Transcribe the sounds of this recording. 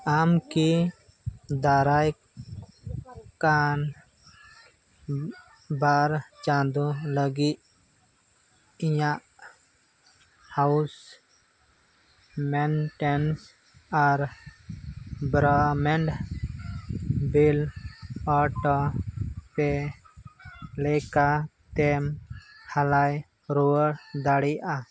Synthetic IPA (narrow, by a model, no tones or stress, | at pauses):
aːmki | d̪aːɾaːj | kaːn | baːɾt͡ʃãːnd̪ũləɡi | jã | haʊs | mɛnʈɛns | aɾ | bɾamɛɳɖ | bil | aʈɔ | pe | lɛkat̪ɛmhalaj | ɾoəɽd̪aɽiʔa